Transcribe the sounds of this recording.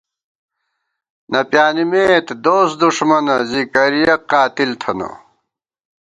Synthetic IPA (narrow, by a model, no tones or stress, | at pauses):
nɐpjaːnimeːt̪d̪oːsd̪uʂmɐnɐzikɐɾijɐqːaːt̪ilt̪ʰɐnɐ̰